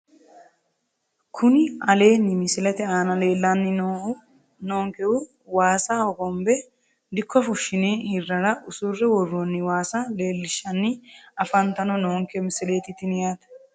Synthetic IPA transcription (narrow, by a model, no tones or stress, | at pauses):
kʰʊnɪɐle̞ːnːɪmɪsɪlɛt̪ɛaːnɐleːlːanːɪnoːʔʊ | noːŋkɛʊ | waːsaːɔkɔmbɛ | d̪ɪkʰːɔfʊʃːɪneːhɪrːɐɾɐʔʊsurɛwɔrːonːɪwaːsale̞ːlːɪʃːɐnːɪɐfɐnt̪ɐnɔnoːŋkɛmɪsɪlet̪ɪt̪ɪnjaːt̪